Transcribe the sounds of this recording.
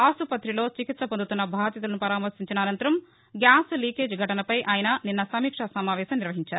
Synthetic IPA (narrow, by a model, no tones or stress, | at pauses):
aːsupɐt̪ɾilo̞ːt͡ʃikit̪sɐpond̪ut̪unːɐbʱaːd̪jɐt̪ɐlɐnupɐɾaːmɐɾsiɲt͡ʃinɐːnɐnt̪ɐɾɐm | ɡjaːsliːkeːd͡ʒɡʱɐʈɐnɐpɐjʔaːjɐnɐninːɐsɐmiːkʂɐsɐmaːʋɛːsɐmniɾʋɐɦiɲt͡ʃaːɾuu